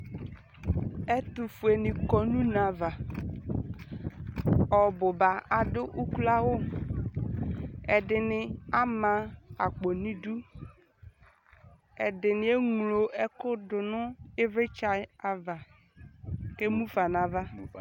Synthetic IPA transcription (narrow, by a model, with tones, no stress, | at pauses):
ɛ˦tʊ˨fu˨e˨nɪ˨kɔ˨nũ˦na˨va˨ | ɔ˨bʊ˨ba˨a˨dʊ˦ʔu˦ku˦la˦wʊ˦ | ɛ˨dɪ˨nɪ˨a˦mã˨a˨k͡po˨nĩ˦du˦ | ɛ˨dɪ˨nɪ˨e˦ŋ˨lo˨ɛ˦kʊ˦dʊ˨nʊ˦ɪ˦vɪ˦t͡ʃa˨a˨va˨ | ke˦mũ˦fa˨n˨a˨va˦